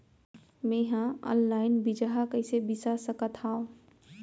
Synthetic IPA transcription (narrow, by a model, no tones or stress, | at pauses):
mẽɦãɔ̰̃nlaːɪnbid͡ʒaɦakəɪsebisasəkət̪ʰaːõ